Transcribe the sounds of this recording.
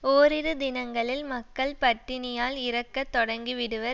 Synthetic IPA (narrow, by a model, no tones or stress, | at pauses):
oːɾɪɾɯd̪ɪnɐŋɡɐɭɪlmɐkːɐɭpɐʈːɪnɪjaːlɪɾɐkːɐt̪ːɔɽɐŋɡiʋɪɽɯʋɐɾ